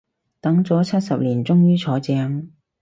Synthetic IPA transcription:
t̪ɐ˨˥ŋt͡sɔː˨˥t͡sʰɐ˥t̚sɐ˨p̚liː˨˩nt͡sʊ˥ŋjyː˥t͡sʰɔː˨˥t͡sɛː˧ŋ

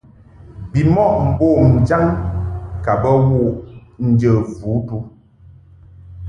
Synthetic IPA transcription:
bi˨mɔ˦˨ʔm̩˨boː˦˨m̩˨d͡ʒa˦ŋ | ka˨bə˦wu˦ʔn̩˦d͡ʒə˨vu˨˦tu˦

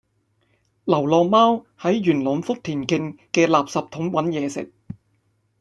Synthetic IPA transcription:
lɐ˨˩wlɔː˨˧ŋmaː˥w | hɐ˨˥jɥyː˨˩nlɔ˨˥mfʊ˥k̚t̪ʰiː˨˩nkɪ˧ŋkɛː˧laː˨p̚sɐ˨p̚t̪ʰʊ˨˥ŋwɐ˨˥njɛː˨˧sɪ̰˨˩k̚

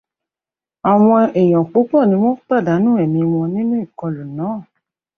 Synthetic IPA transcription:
a˨w̃ɔ̃˧ɛ˨j̃ɔ̃˨k͡po˨˦k͡pɔ˦˨nĩ˧˦w̃ɔ̃˦k͡pa˦˨da˨˦nũ˦ɛ˨mĩ˧w̃ɔ̃˧nĩ˦nũ˦i˦˨kɔ˧lu˨nãː˨˦˨

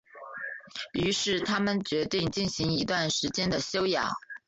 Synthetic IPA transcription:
y˧˥ʂɻ̩˥˩t̪ʰa˥mə˨nt͡ɕɥɛ˧˥t̪i˥˧ŋt͡ɕi˥˩nɕi˧˥ŋi˧˥t̪wa˥˩nʂɻ̩˧˥t͡ɕjɛ˥nd̪ə˨ɕjo˥ʊjɑ̰˨˩˦

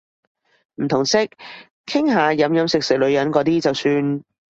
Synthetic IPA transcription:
m̩˨˩t̪ʰʊ˨˩ŋsɪ˥k̚ | kʰɪ˥ŋɦaː˨˧jɐ˨˧˥mjɐ˨˧˥msɪ˨k̚sɪ˨k̚lɵ˨˧ɥjɐ˨˥nkɔː˨˥t̪iː˥t͡sɐ˨wsyː˧n

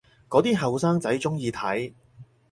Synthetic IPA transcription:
kɔː˨˧˥t̪iː˥ɦɐ˨wsaː˥ŋt͡sɐ˨˥jt͡sʊ˥ŋjiː˧t̪ʰɐ˨˥j

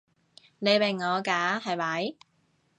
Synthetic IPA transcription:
ne˨˧jpe˨˩ŋŋɔː˨˧kaː˨˥hɐ˨jmɐ˨˥j

